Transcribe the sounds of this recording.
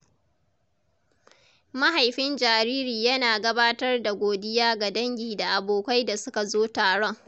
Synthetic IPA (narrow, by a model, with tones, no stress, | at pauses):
ma˦ɦa˨jɸɪ˦nd͡ʒaː˨ɾiː˦ɾiː˨jɐ˦naː˨ɡɐ˦baː˦tɐ˦rda˨ɡʷoː˨dɪ˦jaː˦ɡa˨dɐ˦ŋɡʲiː˨da˨ʔa˨boː˨kʷa˦jda˨sʊ˦ka˨zoː˦taː˨ɽɔ˦ŋ